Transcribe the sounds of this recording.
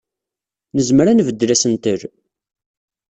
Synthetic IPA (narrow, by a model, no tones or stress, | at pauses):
nəzməɾænvəd̪ːlæsənt̪əɾ